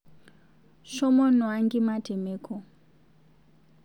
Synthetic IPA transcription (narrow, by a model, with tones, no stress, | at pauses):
ʃɔ˦mɔ˦nɔ˨a˦ŋɡi˦ma˦tʰɛ˨meː˦kʰɔ˨